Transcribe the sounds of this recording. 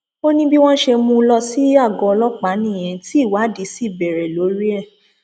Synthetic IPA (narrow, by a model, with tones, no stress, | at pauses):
o˦nĩ˦bi˦w̃ɔ̃˦ʃe˧mũ˧˦lɔ˧si˦a˦˨ɡɔ̃˧ɔ˧lɔ˦k͡pa˨˦nĩ˦˨j̃ɛ̃˨˧ti˦˨wa˨˦di˨˦si˦˨bɛ˨ɾɛ˨lo˨˦ɾi˦ɛ˦˨